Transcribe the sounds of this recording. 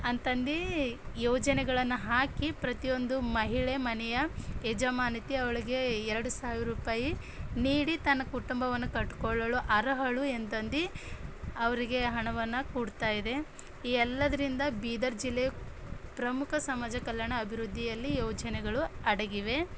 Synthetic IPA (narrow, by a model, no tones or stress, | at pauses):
ɐnt̪ɐnd̪ijɔːd͡ʒɐnɛɡɐɭɐnːuɦaːkipɾɐt̪ijo̞nd̪umɐɦiɭemɐnɛjɐɛd͡ʒɐmaːnit̪iɐʋɐɭiɡe̞ɛɾɐɽusaːʋiɾuːpaːji | niːɽit̪ɐnːɐkuʈumbɐʋɐnːukɐʈːkɔɭːɐɭuʔɐɾɐɦɐɭuent̪ɐnd̪i | ɐʋɐɾiɡe̞ɦɐɳɐʋɐnːɐkuːɽt̪aːjid̪e̞ | iɛlːɐd̪ɐɾind̪ɐbiːd̪ɐɾd͡ʒilːe | pɾɐmukʰɐsɐmaːd͡ʒɐkɐljɐɳɐːbʱiɾud̪ʱːijɐlːijɔːd͡ʒɐnɛɡɐɭuɐɽeɡiʋe̞